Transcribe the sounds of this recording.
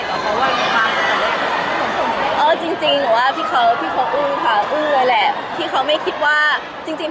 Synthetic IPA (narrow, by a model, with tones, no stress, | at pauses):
a˨˩kʰa˧˦waː˥˩a˧˩ka˧˩˧a˧˩lʰpʰo˨˩˦mpʰo˨˩˦m˧˩˧ʔɤː˧˩t͡ɕi˧ŋt͡ɕi˧ŋlɯː˨˩˦waː˥˩t̪ʰiː˥˩kʰa˦˥wt̪ʰiː˥˩kʰa˦˥wʔɯː˥˩˧kʰa˧˩ʔɯː˥˩lɤː˧jlɛ˨˧˩ | t̪ʰiː˥˩kʰa˦˥wma˥˩jkʰi˦˥t̪̚waː˥˩ | t͡ɕi˧ŋt͡ɕi˧ŋ